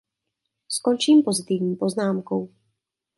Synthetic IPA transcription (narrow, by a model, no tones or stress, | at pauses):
skont͡ʃiːmpo̞zɪt̪ivɲiːpo̞znaːmkow